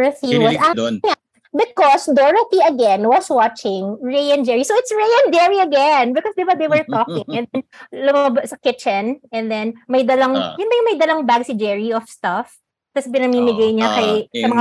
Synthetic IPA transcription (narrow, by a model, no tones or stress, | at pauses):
ɹɐθiwɐsaŋa | bɪkɔsd̪ɔɹɐθiʔɐɡɛ̃nwɔswat͡ʃɪŋɹejɐ̃nd͡ʒɛɹisowɪt̪sɹejɐ̃nd͡ʒɛɹiɐɡɛnbɪkɔsd̪ɪbad̪ejwɛɹt̪ɔkɪŋʔɛ̃nd̪ɛnlʊmɐbasɐkɪt͡ʃɛnɛ̃nd̪ɛnmɐjd̪ɐlɐŋjʊnbɐjʊŋmɐjd̪ɐlaŋbaɡsɪd͡ʒɛɹiɔfst̪ɐf | t̪ɐsɛp̬ɪnɐmimɪɡajɲakɐjsɐmɐŋa